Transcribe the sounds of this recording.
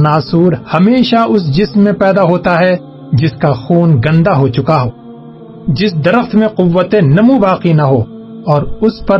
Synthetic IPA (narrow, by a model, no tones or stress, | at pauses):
naːsuːɾhɐmeːʃaʊsd͡ʒɪsmːẽpɛːd̪aɦoːt̪aɦɛ | d͡ʒɪskaxuːnɡɐ̃nd̪aɦot͡ʃʊkaɦoː | d͡ʒɪsd̪ɐɾəxt̪ʰmẽqʊʋːət̪ẽnɐmubaːqinɐɦoː | ɔːɾʊspɐɾ